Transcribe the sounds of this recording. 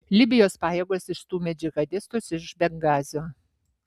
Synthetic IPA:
lʲɪbʲɪjoːspɑːjɛːɡoːsɪʃt̪uːmʲɛd͡ʒʲɪɣɐd̪ʲɪst̪ʊsɪʃbʲɛŋɡɑːzʲɪoː

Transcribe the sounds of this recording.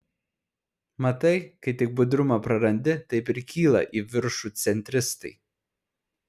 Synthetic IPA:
mɐt̪ɐɪkɐɪt̪ʲɪk̚bʊd̪ɾʊmɐpɾɐɾɐnʲd̪ʲɪt̪ɐɪpɪɾkʲiːlˠɐ̰ʔiːʋʲɪɾʃut̪sʲɛnʲt̪ʲɾʲɪst̪ɐɪ

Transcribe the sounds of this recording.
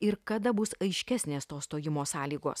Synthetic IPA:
ɪɾkɐd̪ɐbʊsɐɪʃʲkʲæsʲnʲeːst̪oːsst̪oːjɪmoːsɑːlʲiːɡo̰ːs

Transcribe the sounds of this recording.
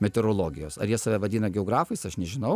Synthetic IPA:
mʲɛt̪ʲɛɾoːlˠoːɡʲɪjoːsɐ̰ɾjiɛsɑʋʲɛʋɐdʲiːnɐɡʲɛoːɡɾɑːfɐɪsɐʃnʲɛʒʲɪnɐʊ

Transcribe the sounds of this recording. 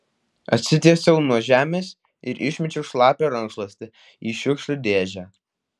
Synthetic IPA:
ɐ̰t̪ʲsʲɪt̪ʲiɛsʲɛʊnuɔʒʲæːmʲeːs | ɪɾʔɪʃʲmʲɛt͡ʃʲɛʊʃlˠɑːpʲeɾɐŋkʃlˠɐsʲt̪ʲɪ | iːʃʲʊkʃʲlʲʊd̪ʲeːʒʲæː

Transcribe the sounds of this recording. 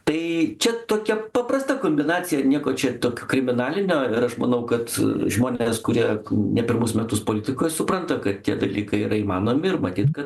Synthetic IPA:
t̪ɐɪt͡ʃʲɛt̪oːkʲɛpɐprɐst̪ɐkoːmʲbʲɪnɑːt͡sʲɪjɛnʲiɛkoːt͡ʃʲɛt̪oːkʲoːkɾʲɪmʲɪnɑːlʲɪnʲoːɪɾɐʃmɐnɐʊkɐt̪ʒmoːnʲeːskʊɾʲiɛnʲɛpʲɪrmʊsmʲɛt̪ʊspoːlʲɪt̪ʲɪkoːjsʊprɐnt̪ɐkɐt̪t̪ʲiɛd̪ɐlʲiːkɐɪiːɾɐiːmɑːnoːmʲɪɪrmɐt̪ʲiːt̪kɐt̪

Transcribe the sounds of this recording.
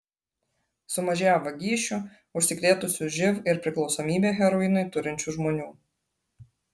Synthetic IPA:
sʊmɐʒʲæːʋɐɡʲiːʃʲʊ | ʊʃʲsʲɪkɾʲeːt̪ʊsʲʊʒʲɪʋɪɾpʲɾʲɪklˠɒʊsɔːmʲiːbʲeːɣʲɛɾɔɪnɐɪt̪ʊɾʲɪnʲt͡ʃʲuʒmoːnʲuː

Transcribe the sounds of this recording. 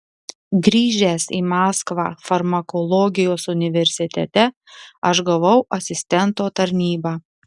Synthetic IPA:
ɡɾʲiːʒʲeːsḭːmɑːskʋɑ̰ːfɐɾmɐkɔlˠɔɡʲɪjoːsʊnʲɪʋʲɛɾʲsʲɪt̪ʲɛ̰t̪ʲɛ | ɐʒɡɐʋɐʊʔɐsʲɪsʲt̪ʲɛnt̪oːt̪ɐɾʲnʲiːbɑː

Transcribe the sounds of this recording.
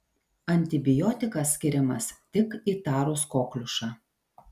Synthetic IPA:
ɐnʲt̪ʲɪbʲɪjɔːt̪ʲɪkɐsʲːkʲɪɾʲɪmɐst̪ʲɪkiːt̪ɑːɾʊskoːklʲʊʃɑː

